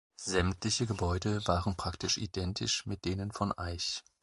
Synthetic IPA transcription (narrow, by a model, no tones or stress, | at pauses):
zɛmtlɪçəɡəbɔʏdəvaːʁənpʁ̥aktɪʃʔḭdɛntʰɪ̰ʃmɪt̚d̥eːnənfɔnʔaɪç